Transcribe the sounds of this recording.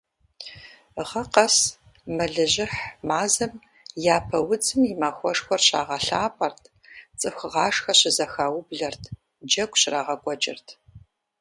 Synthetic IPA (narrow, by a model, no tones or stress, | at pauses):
ʁɐqɐs | mɐɮɨʑɪħmaːzɐm | jaːpʰɐwʊd͡zɨmjɪmaːxʷɔʂxʷɔrɕa̰ːʁɐɬaːpʼɐrtʰ | t͡sʼɨxʷʁɑːʂxɐɕɪzɐxaːwʊbɮɐrtʰ | d͡ʒɐkʷʼɕraːʁɐkʷʼɔd͡ʒʼɪ̰rtʰ